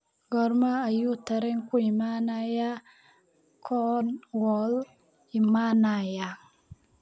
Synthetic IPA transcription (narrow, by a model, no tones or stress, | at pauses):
ɡɔɾmaːjut̪aɾɛŋkuimanaja | kʰɔnwɔl | imanaja